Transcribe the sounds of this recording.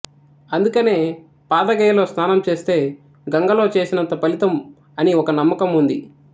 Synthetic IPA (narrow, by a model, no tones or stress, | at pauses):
ɐnd̪ukɐne̞ː | paːd̪ɐɡɐjɐlo̞ːst̪ʰaːnɐmt͡ʃe̞ːst̪e̞ː | ɡɐŋɡɐlo̞ːt͡ʃe̞ːsinɐnt̪ɐpɐlit̪ɐm | ɐniɔkɐnɐmːɐkɐmund̪ḭ